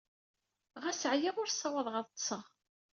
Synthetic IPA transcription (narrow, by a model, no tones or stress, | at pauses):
ʁæsʕjiʁʊɾsˤːɑwɑðˤʁəðˤt̪ˤsəʁ